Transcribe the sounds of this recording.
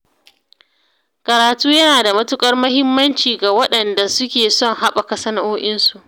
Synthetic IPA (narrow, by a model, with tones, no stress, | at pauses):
kʼɐ˨ɾaː˨tuː˦jɐ˦naː˨da˨mɐ˦tʊ˦kʼɐ˦rmɐ˦ɦɪ˦mːɐ˦nt͡ʃiː˨ɡa˨wɐ˦ɗɐ˨nda˨sʊ˦kʲeː˨sɔ˦˨ŋha˦ɓa˨kɐ˦sɐ˦nɐ˦ʔoː˦ʔɪ˦nsu˨ʔ